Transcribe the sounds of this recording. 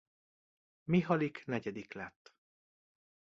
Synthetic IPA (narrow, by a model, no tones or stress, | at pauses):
miɦɒliknɛɟɛd̪iklɛt̪ː